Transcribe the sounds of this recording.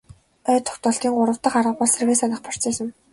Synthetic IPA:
œːt̪ʰːɔ̥xt̪ɔːɮt̪iːŋɢʊɾə̆w̥t̪ə̆χarʁə̆pɔɮserɣeːsanə̆χpʰɔr̥t͡seːsɘ̆n

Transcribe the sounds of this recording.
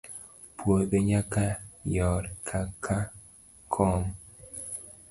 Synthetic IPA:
pwobeɲakajɔɾkʰakʰa | kʰɔm

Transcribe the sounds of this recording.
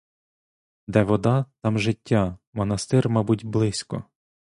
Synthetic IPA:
d̪ɛʋɔd̪ɑt̪ɑmʒɪtʲːamɔnɐst̪ɪrmɑbutʲblˠɪsʲkɔ̰

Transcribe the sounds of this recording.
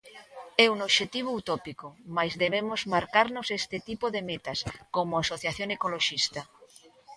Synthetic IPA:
ɛunoβʃet̪iβ̞out̪ɔpikomajzðeβemozmaɾkaɾnʊsest̪ɪt̪ipoðemet̪ɐskomoasoθjaθjoŋekoloʃist̪ɐ

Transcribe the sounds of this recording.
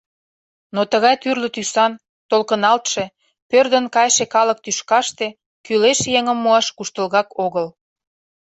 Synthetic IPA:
not̪əɣɑjt̪yrlə̆t̪ysɑn | t̪olkənɑlt̪ʃe̽ | pørd̪ə̆nkɑjʃekɑlə̆k̚t̪yʃkɑʃt̪e̽ | kyleʃjeŋə̆mːoɑʃkuʃt̪əlɣɑkoɣəl

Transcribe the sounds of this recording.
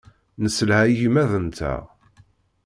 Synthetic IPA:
nəsəlhæjimæðənt̪ʰæ̰

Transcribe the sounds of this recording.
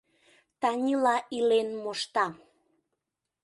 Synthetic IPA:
t̪ɑnʲilɑʔilenmoʃt̪ɑ

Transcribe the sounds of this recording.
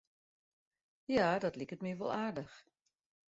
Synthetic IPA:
jaːdɔtlikətmiʋo̰lˠaːrdəx

